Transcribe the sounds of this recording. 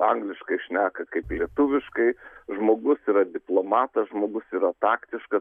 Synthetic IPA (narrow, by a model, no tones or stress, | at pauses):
ɐŋɡlʲɪʃkɐɪʃʲnʲæːkɐkɐɪplʲiɛt̪ʊʋʲɪʃkɐɪʒmoːɡʊsiːɾɐd̪ʲɪplˠoːmɑːt̪ɐsʒmoːɡʊsiːɾɐt̪ɑːkt̪ʲɪʃkɐ